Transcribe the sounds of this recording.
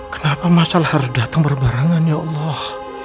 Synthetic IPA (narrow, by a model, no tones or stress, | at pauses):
kə̥napamasalahaɾʊsdat̪aŋbərbaɾaŋanjaʔɑlˤːɑh